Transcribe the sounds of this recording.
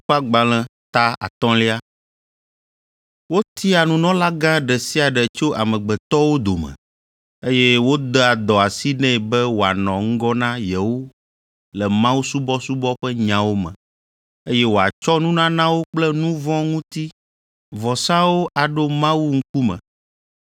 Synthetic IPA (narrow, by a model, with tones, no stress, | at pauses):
ɸa˦ɡ͡ba˨l̃ɛ̃˦t̪a˦a̰˨t̪ɔ̃˦li˦a˦ | wo˦t̪i˦a˨nũ˦nɔ̃˦la˦ɡã˦ɖɛ˨si˦a˨ɖɛ˨t͡ʃo˦ʔa˨mɛ̃˨ɡ͡bɛ˨t̪ɔ˦wo˦d̪o˨mɛ̰̃˨ | e˦jɛ˦wo˦d̪ɛ˦a˨d̪ɔ˨a˨si˦nɛ̃˦˨bɛ˦wo˨a˨nɔ̃˨ŋ̩˦ɡɔ˦nã˦jɛ˨wo˦ | lɛ˨mã˦wu˦su˦bɔ˦su˦bɔ˦ɸɛ˦ɲã˨wo˦mɛ̰̃˨ | e˦jɛ˦wo˨a˨t͡ʃɔ˦nũ˦nã˦nã˦wo˦k͡plɛ˦nũ˦vɔ̃˦ŋũ˦t̪i˦ | vɔ˨sa˦wo˦ʔa˨ɖo˦mã˦wu˦ŋ̩˦ku˦mɛ̰̃˨